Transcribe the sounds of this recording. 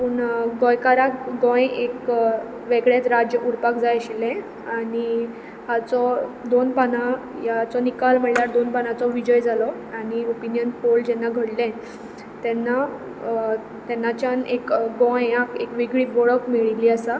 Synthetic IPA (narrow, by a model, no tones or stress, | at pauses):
puːɳɡɔ̃jkaɾakɡɔ̃jek | ʋeɡɭet̪ɾad͡ʑjəʔuɾpakd͡zajɕilɛ̃ | aɽi | hat͡sɔd̪onpana | jat͡sɔnikalm̤əljaɾd̪onpanat͡sɔʋid͡ʑɔjd͡zalɔ | aɽ̃iopinjənfold͡ʑɛnːaɡʱəɽlɛ̃ | t̪ɛnːa | t̪ɛnːat͡ɕjanekɡɔ̃jãkekʋiɡɭiːbɔɭɔkmiɭiliasa